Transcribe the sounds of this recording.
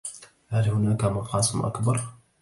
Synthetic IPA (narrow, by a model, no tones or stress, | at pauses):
halhʊnakamɑqɑːsˤəmʔa̰kbɑɾˤ